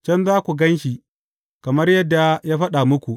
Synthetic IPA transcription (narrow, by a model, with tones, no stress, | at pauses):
t͡ʃɐ˦nzaː˦kʷu˨ɡɐ˦nʃi˨ | kɐ˨mɐ˦rjɐ˦dːa˨jaː˦ɸɐ˦ɗa˨mʊ˦kʷu˨